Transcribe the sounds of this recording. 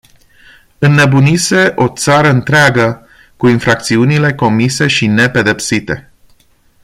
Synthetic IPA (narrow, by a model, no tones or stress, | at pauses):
ɨnːe̞bunise̞ʔo̞t̪saɾəɨnt̪ɾeaɡə | kuinfɾak̚t̪siunile̞ko̞mise̞ʃine̞pe̞d̪e̞psit̪e̞